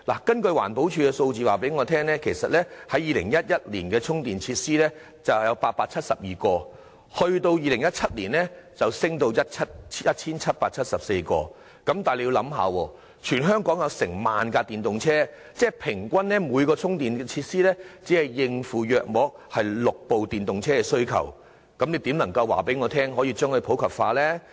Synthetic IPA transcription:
laː˨˩kɐ˥nkɵ˧ɥwa̰ː˨˩npo˨˥wt͡ʃʰyː˧kɛ˧so˧wt͡siː˨˩waː˨˩pe˨˥jŋɔː˨˧t̪ʰɛː˥ŋlɛː˥kʰe˨˩jsɐ˨t̚lɛː˥hɐ˨˥jiː˨lɪ̰˨˩ŋjɐ˥t̚jɐ˥t̚liː˨˩nkɛː˧t͡sʰʊ˥ŋt̪iː˨nt͡sʰiː˧t̚siː˥lɛː˥ | t͡sɐ˨wjɐ˨˧wpaː˧t̚paː˧t̚t͡sʰɐ˥t̚sɐ˨p̚jiː˨˩kɔː˧ | hɵ˧ɥt̪o˧wjiː˨˧lɪ˨˩ŋjɐ˥t̚t͡sʰɐ˥t̚liː˨˩nlɛː˥t͡sɐ˨wsɪ˥ŋt̪o˧wjɐ˥t̚t͡sʰɐ˥t̚jɐ˥t̚t͡sʰiː˥nt͡sʰɐ˥t̚paː˧t͡sʰɐ˥t̚sɐ˨p̚se˧jkɔ̰ː˧ | kɐ˨˥mt̪aː˨˩nle˧ji˧lɐ̰˨˥mɦaː˨˧wɔː˧ | t͡ʃʰyː˨˩nɦœː˥ŋkɔː˨˥ŋjɐ˧wsɪ˨˩ŋmaː˨nkaː˧t̪iː˨nt̪ʊ˨ŋt͡sʰɛː˥ | t͡sɛː˥pʰɪ˨˩ŋkʷɐ˥nnɛː˥muː˨˧jkɔː˧t͡sʰʊ˥ŋt̪iː˨nkɛ˧t͡sʰiː˧t̚siː˥lɛː˥t͡siː˨˥hɐ˨jːɪ˧ŋfuː˨˩jœː˨k̚mɔː˨˥k̚hɐ˨jlʊ˨k̚po˨wt̪iː˨˩nt̪ʊ˨ŋt͡sʰɛː˥kɛ˧sɵ˥ɥkʰɐ̰˨˩w | kɐ˨˥mle˨˧t̪iː˨˥mlɐ˨˩ŋkɐ˧wa̰ː˨˩pe˨˥ŋɔː˨˧t̪ʰɛː˥ŋɦɔː˨˥jiː˧t͡ʃœː˥ŋhɵ˨˧ɥpʰo˨˥wkʰɐ˨p̚faː˧lɛː˥

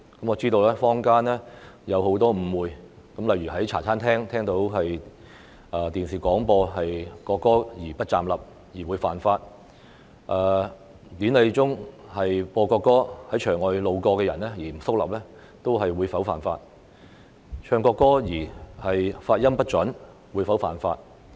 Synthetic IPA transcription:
kɐ˨˥mŋɔː˨˧t͡siː˥t̪o˧wlɛː˥fɔː˥ŋkaː˥nɛː˥jɐ˨˧who˨˥wt̪ɔː˥m̩ː˨˧wuː˨˧j | kɐ˨˥mlɐ˨jɥyː˨˩ɦɐ˨˥jt͡sʰa̰ː˨˩t͡sʰaː˥nt̪ʰɛː˥ŋt̪ʰɛː˥ŋt̪o˨˧˥wɦɐ˨j | aː˧t̪iː˨nsiː˨kɔː˨˥ŋpɔː˧ɦɐ˨jkɔː˧kːɔː˥jiː˨˩pɐ˥t̚t͡sa̰ː˧mlɐ˨p̚ | jiː˨˩wuː˨˧jfaː˨˩nfaː˧t̚ | ʔaː˨˧ | t̪iː˨˥nle˨˧jt͡sʊ˥ŋhɐ˨jpɔː˧kɔː˧kːɔː˥hɐ˨˥jt͡ʃʰœː˨˩ŋɔː˨˧jlo˨˧wkɔː˧kɛː˧jɐ˨˩nɛ˥jiː˨˩m̩˨˩sʊ˥k̚lɐ̰˨p̚lɛː˥ | t̪o˥wɦɐ˨jwuː˨˧jfɐ˨˥wfaː˨nfaː˧t̚ | t͡ʃʰœː˧˩ŋkɔː˧kːɔː˥jiː˨˩hɐ˨jfaː˧t̚jɐ˥mpɐ˥t̚t͡ʃɐ˨˥n | wuː˨˧jfɐ˨˥wfaː˨˩nfaː˧t̚

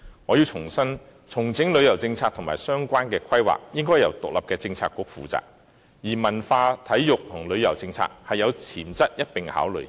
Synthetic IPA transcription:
ŋɔː˨˧jiː˧wt͡sʰʊ˨˩ŋsɐ˥nt͡sʰʊ˨˩ŋt͡sɪ˨˥ŋlɵ˨˧ɥjɐ˨˩wt͡sɪ˧ŋt͡sʰaː˧k̚t̪ʰʊ˨˩ŋmaː˨˩jsœː˥ŋkʷaː˥nkɛː˧kʰɐ˥jwa̰ː˨k̚jɪ˥ŋkɔː˥jɐ˨˧wt̪ʊ˨k̚lɐ˨p̚kɛː˧t͡sɪ˧ŋt͡sʰa̰ː˧kʷːʊ˥k̚fuː˨˧t͡sa̰ː˨k̚ | jiː˨˩mɐ˨˩nfaː˧t̪ʰɐ˨˥jjʊ˨k̚t̪ʰʊ˨˩ŋlɵ˨˧ɥjɐ˨˩wt͡sɪ˧ŋt͡sʰa̰ː˧k̚hɐ˨jːɐ˨˧wt͡sʰiː˨˩mt͡sɐ˥t̚jɐ˥t̚pɪ˨ŋha̰ː˨˥wlɵ̰˨˩ɥ

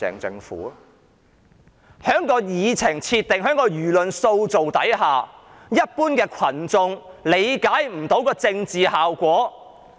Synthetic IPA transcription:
ɛ̰ː˨˩ŋt͡sɪ̰˧ŋfṵː˨˥ | hœː˨˥ŋkɔː˧jiː˨˧t͡sʰɪ˨˩ŋt͡sʰiː˧t̪ɪ˨ŋɦœː˨˥ŋkɔː˧jyː˨˩lɵ˨˩nso˧wt͡so˨wt̪ɐ˨˥jɦaː˨ | jɐ˥t̚puː˥nkɛː˧kʰɐ˨˩nt͡sʊ˧ŋle˨˧jkaː˨˥jm̩˨˩t̪o˨˥wkɔː˧t͡sɪ˧ŋt͡siː˨haː˨wkʷɔː˨˥

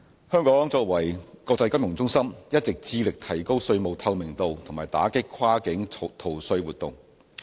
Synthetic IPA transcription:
hœː˥ŋkɔː˨˥ŋt͡sɔː˧k̚wɐ˨˩jkɔː˧k̚t͡sɐ˧jkɐ˥mjʊ˨˩ŋt͡sʊ˥ŋsɐ˥mjɐ˥t̚t͡sɪ˨k̚t͡siː˧lɪ˨k̚t̪ʰɐ˨˩jko˥wsɵ˧ɥmo˨wt̪ʰɐ˧wmɪ˨˩ŋt̪o˧wt̪ʰʊ˨˩ŋmaː˨˩jt̪a̰ː˨˥kɪ˥kʰwaː˥kɪ˨˥ŋt̪ʰo˨˩wsɵ˧ɥwuː˨t̚t̪ʊ̰˨˩ŋ

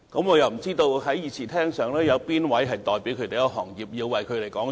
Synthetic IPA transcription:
kɐ˨˥mwɔː˨˧jɐ˨wm̩˨˩t͡siː˥t̪o˧wɦɐ˨˥jjiː˨˩t͡sʰiː˨˩t̪ʰɛː˥ŋsœː˨ŋlɛː˥jɐ˨˧wpiː˥nwɐ˨˥jɦɐ˨jt̪ɔː˨˩jpiː˨˥wkʰɵ˧t̪e˨˩jkɔ˧hɔ̰ː˨˩ŋjiː˨p̚jiː˧wːɐ˨jkʰɵ˨˧t̪e˨˩jkɔː˨˥

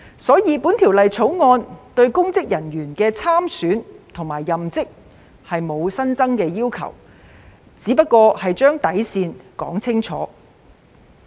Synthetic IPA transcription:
sɔː˨˥jiː˨˧puː˨˥nt̪ʰi˨˩wlɐ˨jt͡sʰo˨˥wŋɔː˧nt̪ɵ˧ɥkʊ˥ŋt͡sɪ˥k̚jɐ˨˩njyː˨˩nkɛː˧t͡sʰaː˥msyː˨˥nt̪ʰʊ˨˩ŋmaː˨˩jːɐ˨mt͡sɪ˥k̚ | hɐ˨jmo˨˧wsɐ˥nt͡sɐ˥ŋkɛː˧jiː˥wkʰɐ̰˨˩w | t͡siː˨˧˥pɐ˥t̚kɔː˧hɐ˨jt͡ʃœː˥ŋt̪ɐ˨˥jsiː˧nkɔ̰ː˨˥ŋt͡sʰɪ˥ŋt͡sʰɔ̰ː˨˥

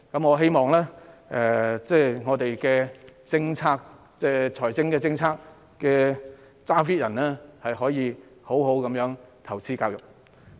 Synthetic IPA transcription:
kɐ˨˥mŋɔː˨˧ɦe˥jmɔː˨ŋlɛː˥ʔɛː˨˧t͡sɛː˥˧ŋɔː˨˧t̪e˨jkɛː˧t͡sɪ˧ŋt͡sʰaː˥k̚ | t͡sɛː˧˩t͡sʰɔː˨˩jt͡sɪ˥ŋkɛː˧t͡sɪ˧ŋt͡sʰaː˧k̚ | kɛː˧ | t͡saː˥fiː˥t̚jɐ˨˩nlɛː˥hɐ˨jɦɔː˨˥jiː˨˧ | ho˨˥who˨˥wkɐ˨˧˥mjœː˨˥ŋt̪ʰɐ˨˩wt͡siː˥kaː˧wjʊ˨˩k̚

